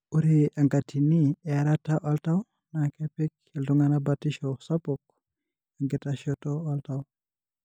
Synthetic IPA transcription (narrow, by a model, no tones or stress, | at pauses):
uɾiaŋɡatʰinieaɾataʔaltaw | nakepɛk̚ | eluŋanabatiʃɔsapɔk̚ | aŋɡetaʃɔtɔaltaw